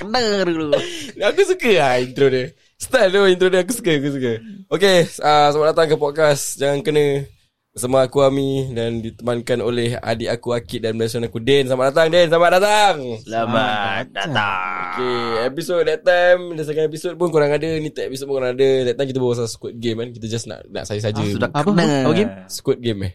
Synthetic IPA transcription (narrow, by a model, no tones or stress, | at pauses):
kənəduluakusukəaint̪ɾodə | sə̥t̪adoint̪ɾodəakusukəakus̬ukəokeəsamaʔdat̪aŋkəpɔt̪̚kasd͡ʒaŋankənə̃ | samaakuamidandit̪əmankanoleha̰diakuakit̪̚danmblasanakudɛnsamaʔdat̪aŋdɛnslamaʔ̚dat̪aŋsəlamadaaokeepisot̚dɛt̪amdansaɡanep̬isot̚pʊnkoɾaŋadənĩt̪aʔɛpis̬ot̚punkoɾaŋadədɛtt̪ːamkit̪̬əbawas̬asə̥kʊt̪̚ɡemkankit̪ad͡ʒasna̰ʔna̰ʔsajəs̬ad͡ʒə | ɡmsə̥kɔt̪̚ɡemɛh